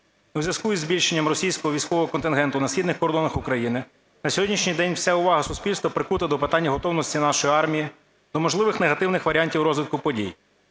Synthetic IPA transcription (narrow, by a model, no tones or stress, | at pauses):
uzʲʋʲɐskujizbʲilʲʃenʲːɐmrɔsʲijsʲkɔɦɔʋʲijsʲkɔʋɔɦɔkɔnt̪ɪnɦɛnt̪ʊnɐsʲxʲid̪nɪxkɔɾd̪ɔnɐxʊkɾɐjinɪ | nɐsʲɔɦɔdʲnʲiʃnʲijd̪ɛnʲwsʲaʊʋɑɦɐsʊspʲilʲst̪ʋɔpɾɪkut̪ɐd̪ɔpɪt̪ɑnʲːɐɦɔt̪ɔwnɔsʲtʲinɑʃɔjiɑrmʲiji | d̪̥ɔmɔʒlˠɪʋɪxneɦɐt̪ɪwnɪxʋɐɾʲanʲtʲiwɾɔzʋɪt̪̚kʊpɔdʲḭj